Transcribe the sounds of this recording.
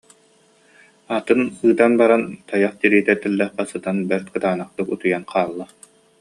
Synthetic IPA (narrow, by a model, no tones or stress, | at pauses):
at̪ɯnɯːt̪anbaɾant̪ajaχt̪iɾiːt̪ɛt̪ɛlːɛχbasɯt̪anbɛɾt̪̚kɯt̪aːnaχt̪ɯkut̪ujanqaːlˠːa